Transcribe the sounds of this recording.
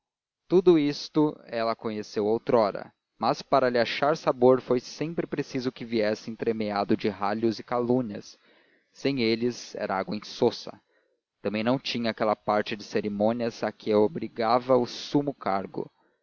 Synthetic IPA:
t̪ud̪ʊist̪ʊɛlɐkõɲesewawt̪ɾɔɾɐ̰ | mɐspaɾɐlɪaʃaɾsaboɾfojsẽpɾɪpɾesizʊkɪviɛsẽj̃t̪ɾemead̪ʊd͡ʒɪɦaʎʊzɪkalũniɐ̰sː | ẽj̃elɪzɛ̰ɾʔɐaɡwɐẽsosɐ̰ | t̪ɐ̃mbẽj̃nɐ̃w̃t͡ʃĩɲɐːkɛlɐpaɾt͡ʃɪd͡ʒɪseɾimõniɐzakɪɛwobɾiɡavɐʊsumʊkaɾɡʊ̰

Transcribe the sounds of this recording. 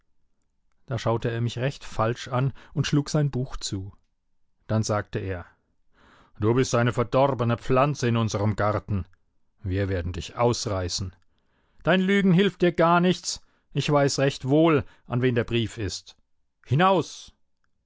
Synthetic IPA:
d̥aːʃaʊtəeːɐmɪçʁɛçtfalʃʔanʊntʃluːkz̥aɪnbuːxt͡suː | d̥anzaːk̚təʔeːɐ | d̥uːbɪstʔaɪnəfɛɐdɔʁbənəp͡flant͡səɪnʊnzəʁəmɡaʁtn̩ | viːɐveːɐdn̩dɪçʔaʊsʁaɪsn̩ | d̥aɪnlyːɡŋ̩ɦɪlft̚d̥iːɐɡaɐnɪçt͡s | ʔɪçv̥aɪsʁɛçtv̥oːlʔanveːndeːɐbʁiːfɪst | hɪnaʊs

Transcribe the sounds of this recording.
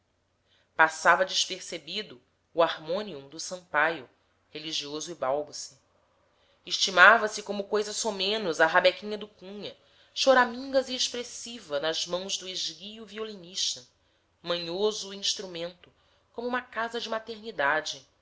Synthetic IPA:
pasavɐd͡ʒɪʃpeɾsebid̪ʊː | aɾmõniũd̪ʊsɐ̃mpajʊ | heliʒiozʊɪbawbusɪ | eʃt͡ʃimavɐsɪkõmʊkojzɐsomẽnʊzɐɦabekĩɲɐd̪ʊkũɲɐ | ʃoɾamĩŋɡɐzieʃpɾesivɐnɐzmɐ̃w̃zd̪ʊeʒɡijuvioliniʃt̪ɐ | mɐ̃ɲozʊĩʃt̪ɾumẽnt̪ʊ | kõmʊuũmɐkazɐd͡ʒɪmat̪eɾnid̪ad͡ʒɪ

